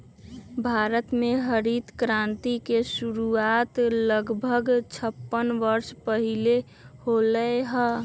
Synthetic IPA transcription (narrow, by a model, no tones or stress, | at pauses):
bʱaːɾət̪mẽɦəɾit̪kɾãnt̪ikesuɾuaːt̪ləɡbʱəɡt͡ʃʰəpːənʋəɾspəɦile | holəɦə